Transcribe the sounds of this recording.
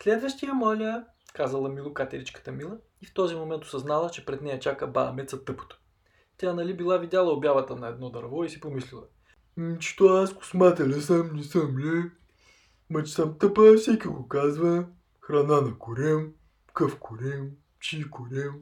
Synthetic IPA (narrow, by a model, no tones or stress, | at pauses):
slɛd̪vəʃt̪ijəmɔlʲə | kazəlˠɐmilˠʊkat̪ʲɛɾit͡ʃkə̥t̪əmilˠə | ift̪ɔzimomɛnt̪o̥sɐznalˠət͡ʃɛpɾɛd̪nɛjət͡ʃakəba̰ɐmɛt̪sɐt̪ɤpo̥t̪o̥ | t̪ʲanɐlibilˠavid̪ʲjalˠəobjavət̪ənɐɛd̪nɔd̪ɐɾvɔisi̥pomislʲilˠɐ̰ | t͡ʃi̥t̪ɔaskʊ̥smat̪ɛlʲɛsəmnɛsəmlʲɛ | mɐt͡ʃɛ̥səmt̪əpəfsɛkʲiɡokazvə | xɾɐnanɐkʊɾɛm | kɤfkʰʊɾɛm | t͡ʃikʊɾɛm